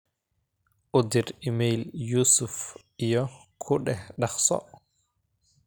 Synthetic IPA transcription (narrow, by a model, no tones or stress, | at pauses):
ʔud̪iɾimejljusuf | ijɔ | kʰuɗɛɗaxsɔ̰